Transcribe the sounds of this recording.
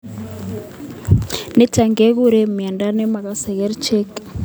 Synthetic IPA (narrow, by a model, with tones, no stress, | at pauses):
ne˦ta˨ŋɡe˦ɣu˦ɾe˦mja˨nda˦ne˦ma˨ɣa˨se˨ɣe˦ɾt͡ʃe˦k